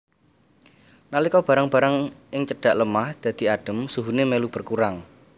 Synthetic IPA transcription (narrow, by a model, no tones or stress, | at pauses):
nalikɔb̥a̤ɾaŋb̥a̤ɾaŋʔɪŋt͡ʃədɖ̥a̤ʔləmahd̪̥ä̤d̪̥i̤aɖ̥ə̤msuɦunemelub̥ərkuɾaŋ